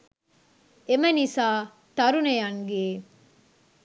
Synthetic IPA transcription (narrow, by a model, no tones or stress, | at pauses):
emɐnisaː | t̪ɐɾunejɐŋɡeː